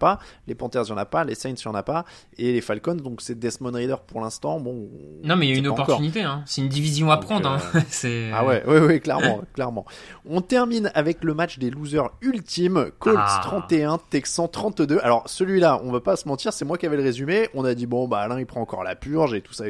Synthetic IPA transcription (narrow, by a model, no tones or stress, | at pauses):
palepɑ̃t̪ɛʁzjɑ̃napalesɛjnsjɑ̃napa | elefalkɔnd̪ɔ̃ksɛd̪ɛsmɔnʁid̪œʁpuʁlɛ̃st̪ɑ̃bɔ̃nɔ̃mɛilynɔ̃pɔʁktɔʁynit̪eɛ̃sɛynd̪ivizjɔ̃apχɑ̃d̪ʁɛ̃sɛa̰wɛwɛwiklɛ̰ʁmɑ̰̃klɛʁmɑ̃ɔ̃t̪ɛʁminavɛkləmat͡ʃd̪eluzœʁylt̪imkʰɔld̪st̪χɑ̃t̪eɛ̃t̪ɛksɑ̃t̪χɑ̃t̪d̪øalɔʁsəlɥilaʔɔ̃vapasəmɑ̃t̪iʁsɛmwakʲiavɛləʁezymeʔɔ̃nad̪ibɔ̃baːlɛ̃ipχɑ̃ɑ̃kɔ̰ʁla̰pyʁʒet̪u̥sa